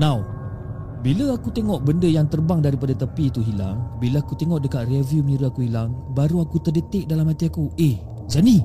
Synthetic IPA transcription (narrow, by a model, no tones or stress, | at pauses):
nãw | biləakut̪eŋɔʔbəndəjaŋt̪ərbaŋdaɾipadat̪əpiːt̪uɦila̰ŋbilaakut̪eŋɔʔdəkat̪̚reviuməniɾuakuɦilaŋbaɾuakut̪ərdət̪ɪk̚dalamat̪iakueh | d͡ʒani